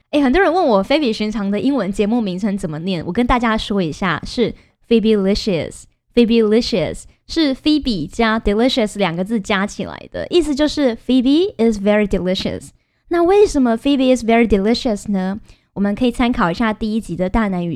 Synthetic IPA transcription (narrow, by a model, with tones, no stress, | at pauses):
e˥˩ɪxə˨nt̪wɔ˥ɻə˧˦nwə˥˩nwɔ˨˩fe˥ɪpi˨˩ɕi˧˥ŋʈ͡ʂʰɑ˧˥ŋd̪ə˧ʔi˦˥ŋwə˧˥nt͡ɕjɛ˧˥mu˥˩mi˧˥ŋt͡sʰə˧˥ŋt͡sə˨˩nmə˦njɛ˥˩nwʔɔ˨˩kə˦nt̪a˥˩t͡ɕja˥ʂwɔ˥i˧˥ɕja̰˥˩ʂɻ̩˥˩ | fi˥bi˥li˥ʂə˨s | fi˥bi˥li˥ʂə̰˨˩s | ʂɻ̩˥˩fi˥pi˨˩t͡ɕja˥d̪i˨˧li˥ʂə˨˩sljɑ˨˩ŋɡə˦t͡sɹ̩˥˩t͡ɕja˥t͡ɕʰḭ˨˩la̰˧˥ɪd̪ə̰˧ʔi˥˩s̬ɨ˨˩t͡ɕjo˥˧ʊʂɻ̩˥˩fi˥bi˥ɪ˨˩svɛ˦˥ɹi˨d̪i˨li˥ʂə̰˨˩s | na˥˧we˥˩ɪʂə˨˧˥nmə˧fi˥bi˧˥ɪ˨svɛ˧˦˥ɹi˨d̪i˨li˥ʂə˨snə˨ | wɔ˨˩mə˧˦nkʰɤ˧˥i˨˩t͡sʰa˥nkʰɑ˨˩ʊi˧˥ɕja˥˧t̪i˥˩i˥t͡ɕi˧˥d̪ə˨t̪a˥˧na˧˥ny˨˩